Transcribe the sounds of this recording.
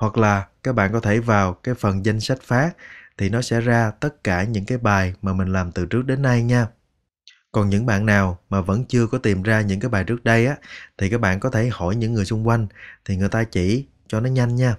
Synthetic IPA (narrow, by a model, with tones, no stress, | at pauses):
hwa˨˩k̚laː˨˩kaː˦˥k̚ɓa̰ː˧˨nkɔ˨˦t̪ʰe˧˩vaː˨˩wkaː˨˦jfə˨˩nza˧jŋ̟sa˦˥jk̟̚faː˦˥k̚t̪ʰi˨˩nɔ˨˦sɛ̰˧˥zaː˧t̪ə˦˥t̚kaː˧˩ɲɨ̰˧˥ŋkaː˨˦jɓaː˨˩jmaː˨˩mï˨˩ŋ̟laː˨˩mt̪ɨ˨˩t͡ɕɨ˦˥ək̚ɗe˨˦nːa˧jɲaː˧ | kɔ˨˩nɲɨ̰˧˥ŋɓa̰ː˧˨nːaː˨˩wmaː˨˩və̰˧˥nt͡ɕɨ˧əkɔ˨˦t̪i˨˩mzaː˧ɲɨ̰˧˥ŋkaː˨˦jɓaː˨˩jt͡ɕɨ˦˥ək̚ɗə˧jʔaː˨˦t̪ʰi˨˩kaː˦˥k̚ɓa̰ː˧˨nkɔ˨˦t̪ʰe˧˩hɔ˧˩jɲɨ̰˧˥ŋːɨ˨˩əjsʊu˧ŋ͡mkwa˧jŋ̟t̪ʰi˨˩ŋɨ˨˩əjt̪aː˧t͡ɕḭ˧˩ | t͡ɕɔ˧nɔ˨˦ɲa˧jŋ̟ɲaː˧